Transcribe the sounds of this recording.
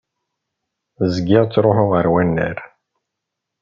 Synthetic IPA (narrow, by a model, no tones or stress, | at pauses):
zəɡɪʁt͡sːɾoħʊʁəɾwænːə̰ɾ